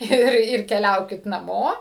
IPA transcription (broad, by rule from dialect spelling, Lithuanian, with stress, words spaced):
ˈɪr ˈɪr kʲɛˈlʲɛʊkʲɪt nɐˈmoː